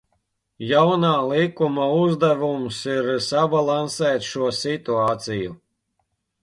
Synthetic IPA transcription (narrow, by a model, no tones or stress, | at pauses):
jawnaːlˠikumauzd̪ævumsiɾsabalˠansɛːt̪ʃuɔsit̪uaːt̪siju